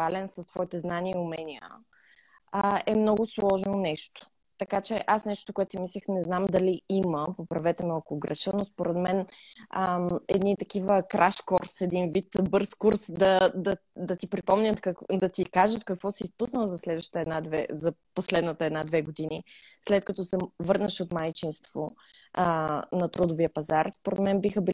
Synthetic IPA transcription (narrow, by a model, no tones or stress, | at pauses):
alɛnsəst̪v̥ɔit̪ɛznaniəiʊmɛniə̰ | əɛmnɔɡʊslˠɔʒnonɛʃt̪o̥ | t̪ɐkat͡ʃɛʔasnɛʃt̪o̥t̪okʊɛt̪o̥simislʲixnɛznamd̪ɐliiməpopɾɐvɛt̪ɛməkoɡɾɐʃənospoɾɛt̪mɛnəɛ̰d̪nit̪ɐkivəkɾʔaʃkɔɾsɛd̪invit̪bɤɾskuɾsd̪ɐd̪ɐ | d̪ɐt̪ipɾipɔmnʲət̪kɐkd̪ɐt̪ikaʒət̪kɐkvɔsiispusnəlˠzɐslɛd̪vəʃə̥t̪əɛd̪nad̪vɛ̰zɐposlɛd̪nət̪əɛd̪nad̪vɛɡod̪inislɛt̪̚kɐt̪ɔsɛvɤɾnəʃot̪majt͡ʃinst̪vo̰ | nɐt̪ɾod̪oviəpɐzaɾspoɾɛt̪mɛnbixəbi